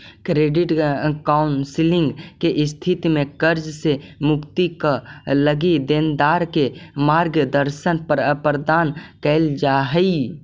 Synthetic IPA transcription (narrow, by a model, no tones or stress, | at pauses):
kɾeːɖɪʈkaːʊnsɪlɪ̃ŋɡkeʔɪst̪ʰit̪imẽkəɾd͡ʒsemʊkt̪ikaləɡid̪end̪aːɾkemaːɾɡəd̪əɾʃənppɾəd̪aːnkɛld͡ʒaːɦəi